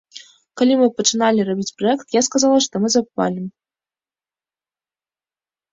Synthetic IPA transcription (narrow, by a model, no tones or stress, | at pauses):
kɐlʲimɨpət͡ʃɨnalʲirɐbʲit͡sʲprɔɛkt̪jaskazalˠaʂt̪ɔmɨzɐpva̰lʲim